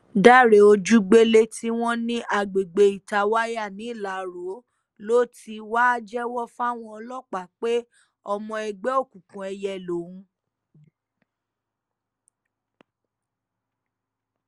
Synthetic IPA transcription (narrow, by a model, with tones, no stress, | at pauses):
da˦˨ɾe˨o˧d͡ʒu˦ɡ͡be˦le˧tʰi˦w̃ɔ̃˦nĩ˦ʔa˨ɡ͡be˨ɡ͡be˨i˨ta˧wa˦ja˦˨nĩ˨˦˨la˨˦ɾo˨˦ | lo˦ti˧wa˦d͡ʒɛ˦wɔ˦fa˦˨w̃ɔ̃˧ɔ˧lɔ˦˨k͡pa˨k͡pe˦ | ɔ˧mɔ̃˧ɛ˧ɡ͡bɛ˦o˦˨kũ˨kũ˨ɛ˧jɛ˧lo˨˦ũ˦